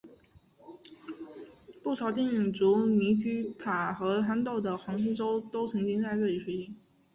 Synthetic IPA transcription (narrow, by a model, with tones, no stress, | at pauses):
pu˥˩ʂʰɑ˨˩ʊt̪i˥˩ŋy˨˩ŋt͡su˧˥ni˧˥t͡ɕi˥t̪ʰa˨˩xɤ˧˥ta˥nt̪o˥˩ʊd̪ə˩xwɑ˧˥ŋs̩˥ʈ͡ʂo˥ʊt̪o˥ʊt͡sʰɤ˧˥ŋt͡ɕi˥ŋt͡sa˥˧ɪʈ͡ʂɤ˥˩li˨˥˩i˥˩ŋ